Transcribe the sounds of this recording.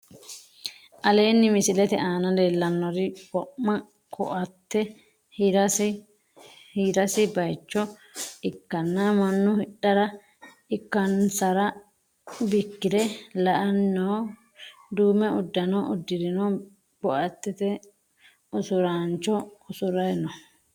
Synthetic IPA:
ʔɐle̞ːnːɪmɪsɪlɛt̪ɛʔaːnɐle̞ːlːɐnːɔɾɪbɔʔmɐ | kʰɔ̰ʔɐt̪ːɛ | hɾɐs | hiɾɐsɪbɐjt͡ʃːɔ | ɪkːɐnːɐmɐnːʊhɪᶑːɐɾɐ | ɪkːɐnsɐɾɐ | bɪkːɪd̪ɛlɐʔɐnːo | d̪uːmɛʊd̪ːɐnɔʔʊd̪ːɪd̪ɪno | b̥ɔʔɐt̪ːɛt̪ɛ | ʔʊsʊɾaːnt͡ʃːɔʊsʊɾɐjnɔ

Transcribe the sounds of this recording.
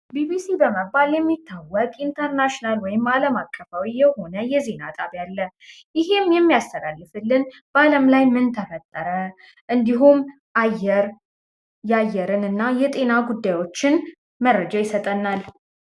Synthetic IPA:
bibisibəməbːaljɛmːit̪ʰːawəkʼint̪ʰəɾnaʃonalwɔjɪmaləmakʼːəfawijɛho̞nəjɛze̞nat̪ʼaβjalːə | jɪɦe̞mjɛmːijast̪ʰəlalːɨfɨlːɨn | b̥aləmlajmɨnt̪ʰəfət̪ʼːəɾə | ʔɨnd̪iɦum | ʔajːɛɾ | jajːɛɾɨnɨnːajɛt̪ʼe̞naɡud̪ːajwo̞t͡ʃːɪn | mərːəd͡ʒajɪsət̪ʼənːal

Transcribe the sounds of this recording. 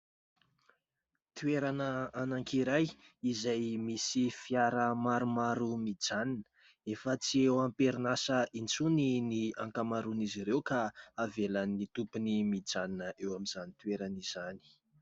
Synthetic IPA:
t̪ueɾanəanaŋkiɾajizajmisifiaɾəmaɾumaɾumid͡zaninə̥ | efət͡siewampeɾinasəint͡suniniaŋkamaɾuniziɾewkaavelanːit̪upunimid͡zaninəʔewamiz̥anit̪ueɾaniz̥ani̥

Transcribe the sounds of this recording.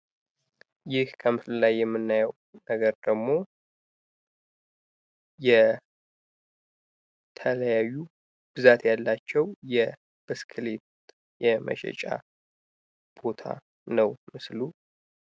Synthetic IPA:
jɪhkʰəmɨfllajːɛmːɨnːajəw | nəɡəɾd̪əɡmo̞ | jɛ | t̪ʰələjajːu | b̥ɨzat̪jalːat͡ʃːɛwjɛ | b̥ɨskʰlet | jɛmə̰ʃɛ̰t͡ʃʼa̰ | b̥o̞t̪ʰa̰ | nəwmɨslu

